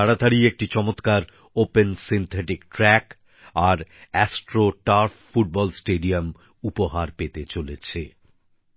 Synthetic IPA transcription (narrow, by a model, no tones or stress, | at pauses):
aɽad̪ʱaɾiek̚ʈit͡ɕɔmot̪kaɾ | opensint̪ʰeʈikʈɾɛk | aɾɛsʈɾoʈaɾffuʈ̚bɔlsʈeɖiam | upoɦaɾpet̪et͡ɕolet͡ɕʰe